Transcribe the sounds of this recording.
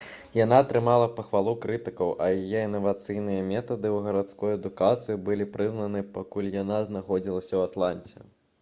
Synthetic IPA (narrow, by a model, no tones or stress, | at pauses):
jan̪aːt̪ɾɨmalˠɐpɐxvalˠukɾɨt̪ɨkɐwʔɐ̰jajɛinːɐvat̪sɨjnɨjɐmʲɛt̪ɐd̪ɨwɣɐɾat̪skɔjɐd̪ukat̪sɨibɨlʲipɾɨznɐnɨpakulʲjanaznaxɔd͡zʲilˠɐsʲɐwat̪lˠanʲt͡sʲɛ̰